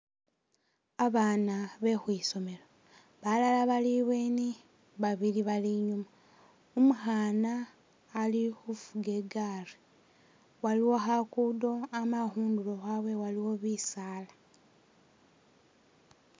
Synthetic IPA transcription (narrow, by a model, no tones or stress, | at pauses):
aβaːnaβe̞xwiso̞me̞lo | βalalaβaliβweni | βaβiliβaliɲuma | umuxaːnaː | lixufuɡe̞ɡare | waliwo̞xakudo̞amaxuːndulo̞xawe̞waliwo̞βisaːla